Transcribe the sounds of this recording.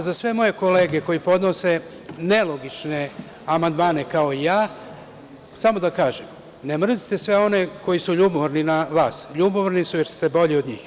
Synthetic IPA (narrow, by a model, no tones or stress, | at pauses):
zasʋe̞mo̞je̞ko̞le̞ːɡeko̞jipo̞d̪no̞se̞ | ne̞lo̞ɡit͡ʃne̞ | amand̪maːne̞kao̞ijaː | samo̞d̪akaːʒem | nemr̩zit̪e̞sʋe̞o̞ne̞ko̞jisuʎuːbooɾninaʋaːsʎuːboʋɾnisujeɾsu̥t̪ebo̞ʎio̞d̪ɲiːx